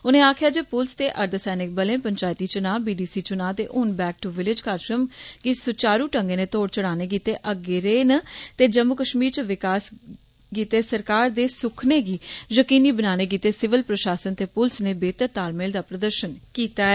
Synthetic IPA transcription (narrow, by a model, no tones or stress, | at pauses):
ʊnẽːaːkʰɪjaːd͡ʒeːpʊlst̪eːʔəɾd̪sɛːnɪk̚bəlẽːpəɲt͡ʃaːjt̪iːt͡ʃʊnaːbiːɖiːsiːt͡ʃʊnaːt̪ḛːʔʊnbɛːk̚ʈuʋɪlɪd͡ʒkaːɾʃɾəmɡiːsʊt͡ʃaːɾuːʈə̃ŋɡeːneːt̪oːɽt͡ʃəɽaːneːk̬iːt̪eːʔəɡɪɾeːnət̪eːd͡ʒəmːʊkəʃmiːɾt͡ʃəʋɪkaːs | ɡiːt̪eːsəɾkaːɾd̪eːsʊkʰneːɡiːjəkiːniːbənaːneːk̬iːt̪eːsɪʋɪlpɾəʃaːsənt̪eːpʊlsneːbeːt̪əɾt̪aːlmeːld̪aːpɾəd̪əɾʃənkiːt̪aːɛː